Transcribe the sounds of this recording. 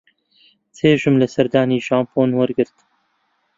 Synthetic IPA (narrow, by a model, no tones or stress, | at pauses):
t͡sʰeːʒɨmlɐsɐɾd̪aːniːʒaːmpʰoːnwɐɾɡɨɾt̪